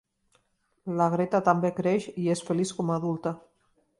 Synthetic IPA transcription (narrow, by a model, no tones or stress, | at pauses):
laɣ̞ɾet̪at̪ambekɾeʃiesfeliskɔmaðulˠt̪a